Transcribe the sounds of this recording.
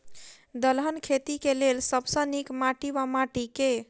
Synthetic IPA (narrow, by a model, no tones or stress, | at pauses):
d̪əlɦənkʰet̪ikelelsəbsə̃nikmaʈiʋamaʈike